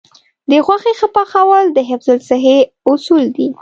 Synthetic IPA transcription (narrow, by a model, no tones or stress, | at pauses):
d̪əxwaxexapɑxawɑld̪əɦɪfzʊlsɪɦe | ʊsuld̪i